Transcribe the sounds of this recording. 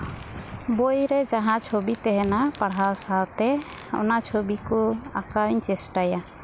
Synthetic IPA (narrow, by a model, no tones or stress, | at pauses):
bojɾed͡ʒaɦãt͡ʃʰobit̪eɦɛnapaɽɦalsalt̪ɛ | ɔ̰nat͡ʃʰobikɔa̰kaɾint͡ʃesʈaja